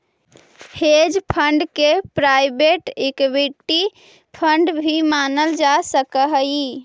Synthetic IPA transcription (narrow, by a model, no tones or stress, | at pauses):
hed͡ʒpʰəɳɖkepɾajbeʈekbiʈːi | pʰəɳɖbʱimanəld͡ʒasəkəɦəi